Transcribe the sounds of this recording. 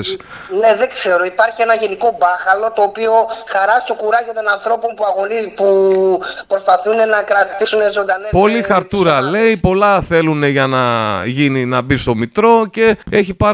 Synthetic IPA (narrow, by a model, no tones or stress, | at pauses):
s | ne̞ðekse̞ɾo̞ipɐɾçienɐʝe̞niko̞bɐxɐlo̞t̪o̞ːpio̞xɐɾɐst̪o̞kuɾɐcot̪o̞nɐnθɾo̞po̞npuɐɣo̞nipu | pɾo̞spɐθune̞nɐkɾɐt̪isune̞zo̞nd̪ɐnepolixɐɾt̪uɾɐle̞ipo̞lɐθe̞lune̞ʝɐnɐʝininɐbist̪o̞mit̪ɾo̞ce̞eçipɐɾ